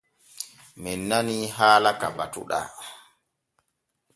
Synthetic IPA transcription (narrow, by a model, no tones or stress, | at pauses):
mɛnːaniɦaːlakaba̰tṵɗa̰